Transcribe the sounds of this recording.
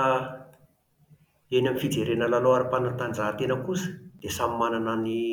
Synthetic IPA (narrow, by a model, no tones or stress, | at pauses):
enamifid͡zeɾenəlaloaɾipanat̪and͡zaɦt̪enəkusə̥d̪̥esammananani